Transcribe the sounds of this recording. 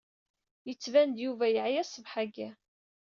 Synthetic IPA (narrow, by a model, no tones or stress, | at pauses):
jət͡sːvænd̪juvæjəʕjæsˤːəvħaɡæ